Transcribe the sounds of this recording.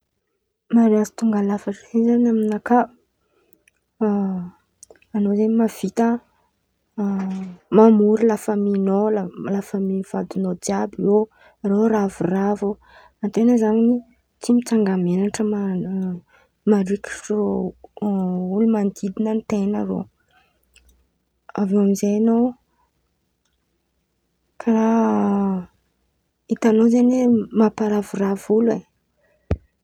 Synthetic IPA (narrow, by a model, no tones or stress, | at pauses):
maɾiazi̥t̪uŋɡalafaʈ͡ʂezanaminaka | nozemav̥it̪ə | mamuɾilafəminolalafəmiv̥ad̪unod͡ʒiabio | ɾoɾavuravo | ant̪enəzaŋini | t͡simit͡saŋɡamenaʈ͡ʂəma | maɾiki̥ʈ͡ʂo | ulumand̪id̪inənt̪enəɾo̰ | avewamizejanow | kʰaɾa | it̪anozanemapaɾavuravule